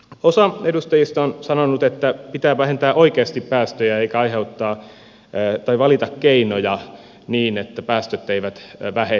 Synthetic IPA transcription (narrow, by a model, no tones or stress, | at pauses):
osɑedust̪ɑjist̪ɑonsɑnonut̪et̪ːæpit̪æːʋæhent̪æːʔoikeɑst̪ippæːst̪øjæeikæɑiheut̪ːɑː | t̪ɑiʋɑlit̪ɑkkeinojɑ | niːnet̪ːæpæːst̪øt̪ːeiʋæt̪ʋæhe